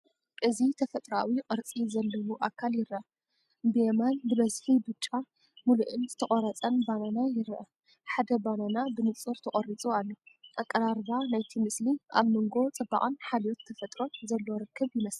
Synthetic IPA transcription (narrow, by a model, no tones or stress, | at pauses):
ʔɨzit̪ʰɐfɐt̪ʼɾawiqʼɨɾt͡sʼizɐlːɐwuʔakʰːaljɪɾʔa | bɨjemanbɨbɐzħibɨt͡ʃʼːa | muluʔɨnzɨt̪ʰɐχʼɐɾɐt͡sʼɐnbananajɪɾʔɐ̰ | ħad̪ɐbananabɨnɨt͡sʼɨɾt̪ʰɐχʼɐɾit͡sʼualːoʔakʼːɐɾaɾβanajt̪ʰimɨsliʔa̰βmɨŋɡo̞t͡sʼɨba̰ʔʼɨnħalot̪t̪ʰɐfɐt̪ʼɾo̞nzɐlːo̞ɾɨkːɨβjɪmɐs